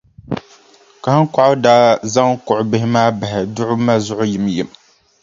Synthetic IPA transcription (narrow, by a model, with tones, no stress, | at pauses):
ka˨hɨ˦ŋkʊ˦ʔʊ˦daː˦za˦ŋkʊ˨ʔʊ˨bɪ˦hɪ˦maː˦ba˨hɪ˨dʊ˦ʔʊ˦ma˦zʊ˦ʔʊ˦jɪ˨mjɪ˨m